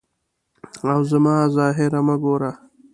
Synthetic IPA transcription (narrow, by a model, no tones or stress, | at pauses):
awzamɑːzɑːɦɪɾaməɡoːɾa